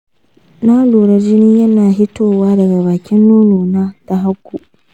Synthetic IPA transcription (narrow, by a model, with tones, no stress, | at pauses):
na˦luː˨ɽa˦d͡ʒɪ˦nɪ˦ɲjɐ˦naː˨ɦɪ˦toː˦waː˦dɐ˨ɡa˨baː˨kʲɪ˦nːuː˦noː˨naː˦ta˨ɦa˦kʷːu˨ʔ